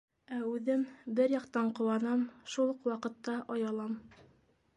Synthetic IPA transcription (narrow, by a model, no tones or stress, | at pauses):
æʉðɘmbɘɾjɑqt̪ɑɴqŏwɑnɑmʃulˠqwɑqɤ̆t̪ːɑʔɑjɑlˠɑm